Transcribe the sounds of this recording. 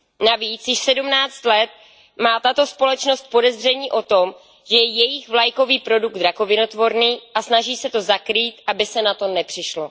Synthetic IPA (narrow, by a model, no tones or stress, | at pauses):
naviːt͡sjɪʃsɛdumnaːt͡st̪lɛt̪̚ | maːt̪at̪o̞spo̞lɛt͡ʃno̞st̪̚po̞dɛzr̝ɛɲiːʔo̞t̪o̞m | ʒ̥ɛjɛjɛjɪxvlajko̞viːpɾo̞duɡ̚d̪ɾako̞vɪno̞t̪vo̞ɾniːʔasnaʒiːsɛt̪o̞zakɾiːt̪ʔabɪsɛnat̪onɛpr̝̥ɪʃlo